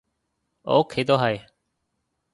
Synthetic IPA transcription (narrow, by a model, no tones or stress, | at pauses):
o̰ːkʰːeːt̪oːɦae